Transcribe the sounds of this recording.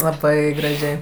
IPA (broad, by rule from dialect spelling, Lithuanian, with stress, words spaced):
lˠɐˈbɐɪ ɡrɐˈʒʲɛɪ